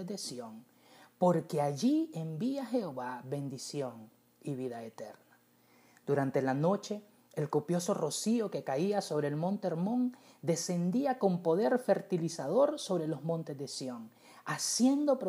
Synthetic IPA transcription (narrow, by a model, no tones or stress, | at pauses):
ed̪e̞sjoŋ | po̞ɾke̞aʝiembiaxe̞o̞βaβe̞nd̪isjo̞ŋ | iβiðaet̪eɾna | d̪̥uɾant̪e̞lano̞t͡ʃe̞ː | lkopjo̞so̞ro̞sio̞ke̞kaiaso̞βɾe̞ːlmõ̞nt̪eeɾmõ̞ŋd̪e̞se̞nd̪iako̞mpo̞ðe̞ɾfe̞ɾt̪ilisaðo̞ɾso̞βɾe̞lo̞zmõ̞nt̪e̞zd̪esjo̞ŋ | asje̞nd̪o̞pɾo